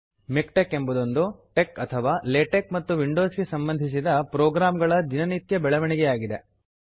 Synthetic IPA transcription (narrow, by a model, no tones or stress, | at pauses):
mikʈekːembɐd̪o̞nd̪uʈekɐt̪ʰɐʋaːleːʈekmɐt̪ːuʋiɳɖoːsɡesɐmbɐnd̪ʱis̬id̪ɐpɾoːɡɾaːmɡɐɭɐd̪inɐnit̪jɐbɛɭɐʋɐɳiɡɛjaːɡid̪e